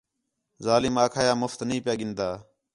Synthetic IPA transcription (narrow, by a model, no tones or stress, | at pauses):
zaːlɪmaːkʰaːjaːmʊft̪nəĩːpɪjaːɡɪnd̪aː